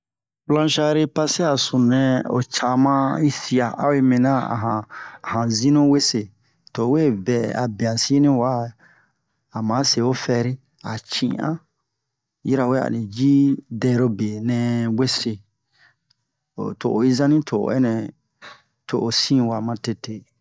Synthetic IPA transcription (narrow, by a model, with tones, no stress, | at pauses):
plã˦ʃa˦ɾe˦pa˦se˦a˨sũ˨nɛ̃˨o̰˨t͡ʃa˨mã˦i˦si˦a˨a̰˦we˦mĩ˨nã˦a̰˨ɦã˨ã˨zĩ˦nũ˦we˦se˨ | to˨we˦bɛ˨a̰˨be˨a˨si˦nĩ˦wa˦ | a˨mã˨˦se˨o˦fɛ˧˦ɾi˦ | a˨t͡ʃḭ̃˨ã̰˦ | ji˦ɾa˨we˦a̰˨nĩ˨d͡ʒi˦dɛ˦˨ɾo˦be˨nɛ̃˧we˦se˨ | o˨to̰˨ʔo˨i˦zã˦nĩ˦tʰo̰˨ɛ̰˦nɛ̃˨ | tʰo˨ʔo˨sĩ˦wa˨mã˦te˦te˦